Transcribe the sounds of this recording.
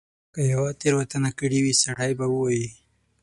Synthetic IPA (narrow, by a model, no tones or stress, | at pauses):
kəjawat̪eɾwat̪anakəɽiwisaɽajbawəwaji